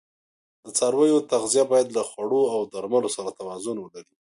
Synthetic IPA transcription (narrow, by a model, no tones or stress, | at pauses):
d̪̥ət͡sɑɾwəjot̪aɣzijabɑjad̪laxwaɽoawd̪aɾmalosaɾat̪awɑzʊnwəlaɾi